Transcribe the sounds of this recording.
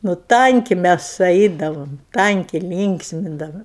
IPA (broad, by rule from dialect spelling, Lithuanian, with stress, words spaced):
nʊ ˈtɐŋʲkʲɪ ˈmʲæs ˈɐɪdɐʋoːm ˈtɐŋʲkʲɪ ˈlʲiːŋksʲmʲɪndɐʋoːm